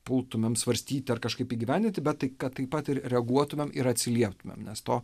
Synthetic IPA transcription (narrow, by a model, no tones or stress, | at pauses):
pʊlˠt̪ʊmʲemsʋɐɾʲsʲt̪ʲiːt̪ʲɪɐrkɐʃkɐɪpiːɡʲɪʋʲæˑnʲd̪ʲɪnʲt̪ʲɪbʲɛt̪ːɐɪkɐtt̪ːɐɪpɐt̪ɪɾɾʲɛɐɡuɔt̪ʊmʲeːmɪɾɐt̪ʲsʲɪlʲiɛpt̪ʊmʲḛmnʲɛst̪oː